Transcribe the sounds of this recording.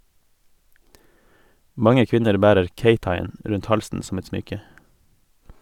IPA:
ˈmɑŋə ˈkʋɪnəɾ ˈbæːɾəɾ ˈkeɪtɑɪˌeːn ˈɾʉnt ˈhɑlsn̩ sm̩ ˈɛt ˈsmʏkə

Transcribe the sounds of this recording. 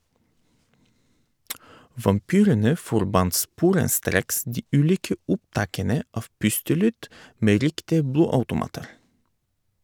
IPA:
ʋɑmˈpyːɾənə fɔɾˈbɑnt ˈspuːɾənˌstɾeːks ˈdiː ˈʉːˌliːkə ˈʔʊpˌtɑːkənə ˈɑf ˈpʉstəˌlyːd ˈmeː ˈɾɪktɪə ˈbluːɑʉtʊˌmɑːtəɾ

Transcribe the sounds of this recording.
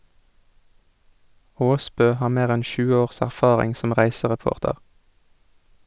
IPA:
ˈoːˌspøː ˈhɑːʁ ˈmeːʁ ˈɛn ˈçʉːə ˈoːʁs æʁˈfɑːʁɪŋ ˈsɔm ˈʁæɪsəʁɛˌpoːʁtəʁ

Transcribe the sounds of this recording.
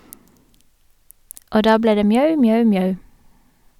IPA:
ˈʔoː ˈdɑː ˈbleː ˈdeː ˈmjœʉ ˈmjœʉ ˈmjœʉ

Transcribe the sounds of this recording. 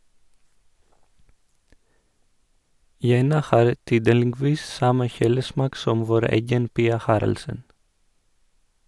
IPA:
ˈjɛnɑ ˈhɑːɾ ˈtyːdəlɪˌɡʋiːs ˈsɑmə ˈçuːləˌsmɑːk ˈsɔm ˈʋoːɾ ˈɛɡən ˈpiːɑ ˈhɑːɾɑlsən

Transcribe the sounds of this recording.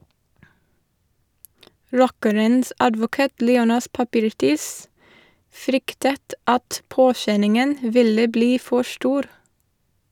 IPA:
ˈɹɔkəɾəns ɑdʋʊˈkɑːt ˈliːˌoːnɑs pɑˈpiːɾˌtiːs ˈfɾʏktət ˈɑt ˈpoːˌʃɛnɪŋən ˈʋɪlə ˈbliː ˈfɔ ˈʃʈuːɾ

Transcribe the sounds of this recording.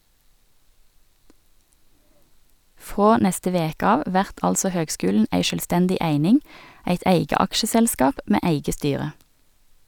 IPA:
ˈfʁoː ˈnɛstə ˈʋeːkə ˈɑːʋ ˈʋæʁt ˈɑlsɔ ˈhøːɡˌskʉːlɳ̩ ˈæɪ ʃœlˈstɛndɪ ˈæɪnɪŋ ˈæɪt ˈæɪɡə ˈɑkʃəsɛlˌskɑːp ˈmeː ˈʔæɪɡə ˈstyːʁə

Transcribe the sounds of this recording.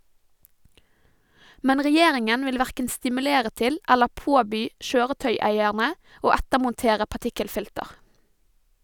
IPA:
ˈmɛn ʁɛˈjeːɾɪŋən ˈʋɪl ˈʋæʁkən stɪmʉˈleːɾə ˈtɪl ˈɛlə ˈpoːbyː ˈʃøːʁəˌtœʏˌæɪæɳə ˈoː ˈætəmʊnˌteːɾə pɑˈʈɪkəlˌfɪltəʁ

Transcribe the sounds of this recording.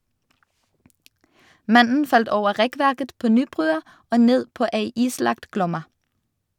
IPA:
ˈmɑnn̩ ˈfɑlt ˈoːʋə ˈʁɛˌkʋæʁkət ˈpoː ˈnyːˌbʁʉːɑ ˈoː ˈneːd ˈpoː ˈeɪ ˈiːˌslɑkt ˈɡlɔmɑ

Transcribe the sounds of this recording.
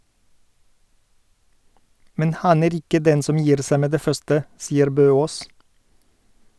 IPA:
ˈmɛn ˈhɑn ˈeːɾ ˈɪkə ˈdɛn ˈsɔm ˈjiːɾ ˈsæ ˈmeː ˈdeː ˈfœstə ˈsiːəɾ ˈbøːˌoːs

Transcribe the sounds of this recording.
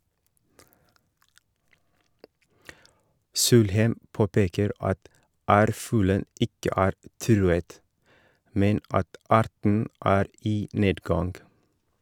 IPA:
ˈsuːlhæɪm ˈpoːpeːkəɾ ˈɑt ˈæːɾˌfʉːlə ˈɪkə ˈæːɾ ˈtɾʉːət ˈmɛn ˈɑt ˈɑːɾtɳ̩ ˈʔæːɾ ˈiː ˈneːdɡɑnɡ

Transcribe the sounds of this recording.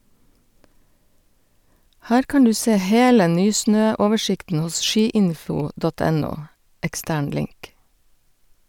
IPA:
ˈhæːɾ ˈkɑːn ˈdʉː ˈseː ˈheːlə ˈnyːˌsnøː ˈoːʋəˌʃɪktn̩ ˈhʊs ˈʃiːˌɪnfʊ ˈdɔt ˈɛˌnuː ɛkˈstæːɳ ˈlɪŋk

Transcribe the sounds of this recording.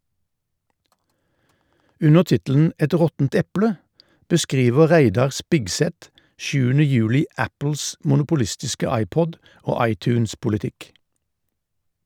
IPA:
ˈʉnəʁ ˈtɪtl̩n̩ ˈɛt ˈʁɔtn̩t ˈɛpɽə bəˈskʁiːʋə ˈʁæɪdɑʁ ˈspɪɡsɛt ˈʃʉːənə ˈjʉːlɪ ˈæpl̩s mʊnʊpʊˈlɪstɪskə ˈɑɪˌpɔd ˈoː ˈɑɪˌtʉːnspʊlɪˌtɪk

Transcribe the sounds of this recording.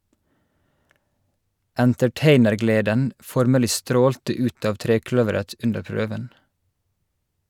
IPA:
ʔæntɛˈʈeɪnəɾˌɡleːdən ˈfɔɾməlɪ ˈstɾoːltə ˈʉːt ˈɑːʋ ˈtɾeːˌklœʋəɾət ˈʔʉndəɹ ˈpɹøːʋən

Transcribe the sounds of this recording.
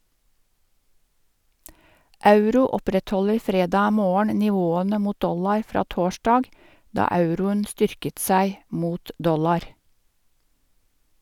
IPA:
ˈɑʉɾuː ˈɔpɾɛtˌhɔləɾ ˈfɾeːdɑː ˈmoːəɳ nɪˈʋoːənə ˈmuːt ˈdɔlɑɾ ˈfɾɑː ˈtoːʃdɑːɡ ˈdɑː ˈɑʉɾʊən ˈstʏɾkət ˈsæɪ ˈmuːt ˈdɔlɑɾ

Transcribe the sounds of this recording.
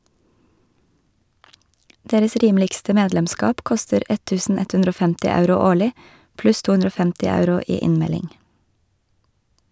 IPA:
ˈdeːɾəs ˈɾiːmlɪɡstə ˈmeːdlɛmˌskɑːp ˈkɔstəɾ ˈɛ ˈtʉːsn̩ ˈɛt ˈhʉndɾ ˈoː ˈfɛmtɪ ˈɑʉɾʊ ˈoːɭɪ ˈplʉs ˈtuː ˈʉnɾə ˈoː ˈfɛmtɪ ˈɑʉɾʊ ˈiː ˈɪnmɛlɪŋ

